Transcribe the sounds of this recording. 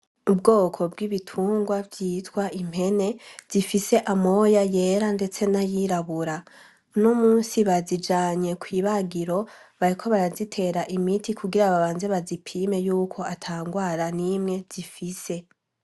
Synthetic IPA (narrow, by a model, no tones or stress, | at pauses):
ubɡo̞ːkʰo̞bɡiβitʰuːŋɡwavjiːtwaim̥he̞ne̞z̥ifise̞ʔamo̞jaje̞ːɾande̞t͡se̞najiɾaβuɾa | numuːnsiβazid͡ʒaːɲe̞kʰwiːβaɡiɾo̞βaɾikʰo̞βaɾazitʰe̞ɾaʔimitikʰuɡiɾaβaβaːnze̞βazipʰiːme̞juːkʰo̞atʰaːŋɡwaːɾanimŋe̞z̥ifise